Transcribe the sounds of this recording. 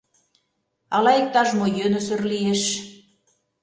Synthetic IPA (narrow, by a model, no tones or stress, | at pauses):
ɑlɑek̚t̪ɑʒmojønəsørlieʃ